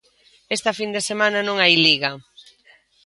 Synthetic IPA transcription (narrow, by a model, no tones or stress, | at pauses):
est̪ɐfind̪esemanɐnõŋajliɣa